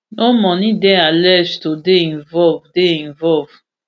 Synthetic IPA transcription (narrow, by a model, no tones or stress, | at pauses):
omɔ̃nĩdɛ̃alɛd͡ʒtodeĩnvɔlvdeĩnvɔlv